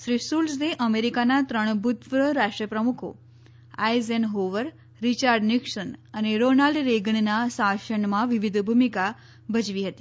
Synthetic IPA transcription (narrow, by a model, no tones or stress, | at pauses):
ʃɾisulsd̪eʔəmeɾikanat̪ɾəɳ̃bʱut̪ʋɾəɾaʂʈɾijəpɾəmukʰo̰ | ajzenɦoʋəɾ | ɾit͡ɕaɾɖniksənəneɾonalɖɾeɡəɳnasaʃəɳmãʋiʋid̪ʱbʱumika | bʱət͡ʃʋiɦət̪i̥ː